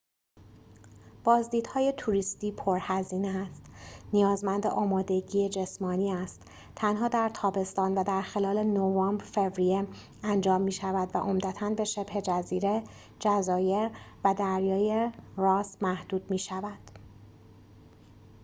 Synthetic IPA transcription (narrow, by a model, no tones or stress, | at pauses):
b̥ɒːzd̪iːd̪̥hɒːje̞t̪ʰuɾist̪iːpʰo̞ɾhæziːneæst̪nijɒːzmænd̪eʔɒːmɒːd̪e̞ɟiːed͡ʒe̞smɒːniːæst̪ | t̪ʰːænɦɒːd̪æɾt̪ʰɒːbe̞st̪ɒːnvæd̪æɾxe̞lɒːle̞novɒːmbɾfe̞vɾije | ænd͡ʒɒːmːiːʃævæd̪væ̰ʔo̞md̪æt̪ʰænbe̞ʃe̞bhe̞d͡ʒæziːɾe̞ | d͡ʒæzɒːjeɾvæd̪æɾjɒːjeɾɒːsmæhd̪̥uːd̪̥miːʃævæd̪̥